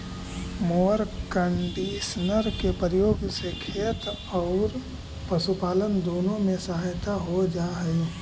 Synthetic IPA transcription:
moːəɾkəɳɖiːʃnəɾkepəɾɪjoːɡsekʰeːt̪ | ɔːɾ | pɐʃupaːlənd̪oːnõmẽsɐɦaːjt̪aɦod͡ʒaːɦəjoː

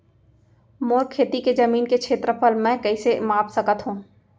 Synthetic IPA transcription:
moːɾkʰːeːt̪iked͡ʒɐmiːnkekʰeːt̪ɾəpəlmɛ̃kɐisemaːpsɐkət̪ɦũː

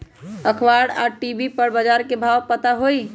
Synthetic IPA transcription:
əkʰʋaɽa̰ʈibipəɾbəd͡ʒaɾkebʱapət̪aɦoj

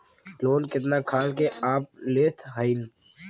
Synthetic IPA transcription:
loːnkɪt̪naːkʰaːlkeaːp̚leːt̪ʰɦail

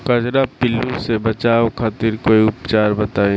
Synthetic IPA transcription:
kəd͡ʒɾapɪlːũsebət͡ʃaːokʰaːt̪iɾkoːiʊpt͡ʃaːɾbət̪aːẽ

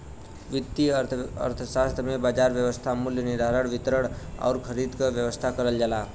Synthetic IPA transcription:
ʋid̪iəə̰ɾt̪ʰəsast̪ʰəmebad͡ʒaɾʋjəʋəst̪ʰamuljənid̪ʱaɾəɽʋit̪ɾəɽa̰wɾkʰəɾid̪kəʋjəʋəst̪ʰakəɾəld͡ʒala

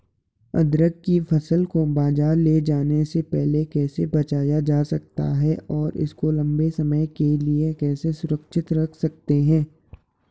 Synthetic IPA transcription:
ɐ̰d̪ɾəɡ̚kifʰɐsəlkobaːd͡ʒaːɾleːd͡ʒaːnesepɛɦlekɛːsebɐt͡ʃaːjad͡ʒaːsɐk̚t̪a̰ɦɛʔɔːɾɪ̰skolɐ̃mbesɐməjkeliekɛːsesʊɾəkʃɪt̪ɾɐkʰsɐk̚t̪eɦɛ̃ː

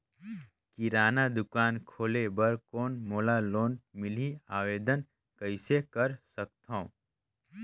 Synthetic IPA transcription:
kiɾaːnad̪ʊkaːnkʰoːlebɐɾkoːnmoːlaloːnmɪliaːʋeːd̪ən | kəɪsekɐɾsək̚t̪ã

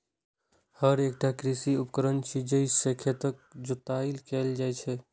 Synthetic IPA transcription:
həɾek̚ʈakɾisiupkəɾənt͡ʃʰid͡ʒəɪsekʰet̪ək̚d͡ʒot̪ailkɛld͡ʒajt͡ʃʰɛ

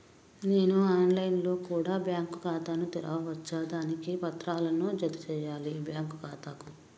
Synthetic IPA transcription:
ne̞ːnuaːnlɐjnlo̞ːkuːɽaːbjaːŋkkaːt̪aːnut̪iɾɐ̰ʋɐʋɐt͡ʃːaːd̪aːnikipɐt̪ɾaːlɐnud͡ʒɐt̪ut͡ʃɛːjaːlibjaːŋkukaːt̪aːku

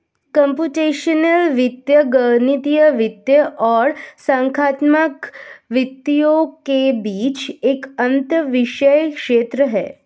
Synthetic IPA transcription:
kəmpjuːʈeːʃənəlʋit̪jəɡənit̪ijəʋɪt̪jəʔɔːɾsãŋkʰaːt̪məkʋɪt̪ːijokebiːt͡ʃeːkənt̪əʋiʃəjkʂeːt̪ɾəɦɛ̰ː

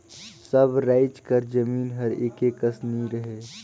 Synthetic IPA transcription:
səbɾaːɪt͡ʃkəɾd͡ʒəmiːnɦɐɾekeːkəsniɾəɦeː

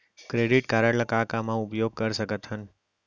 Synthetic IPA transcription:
kɾeɖiʈkaɾəɽləkakamãʊpjoɡ̚kəɾʃəkət̪ɦən

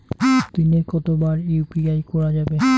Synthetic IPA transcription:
t̪inekɔt̪obaɾipiajkɔɾad͡ʑabe

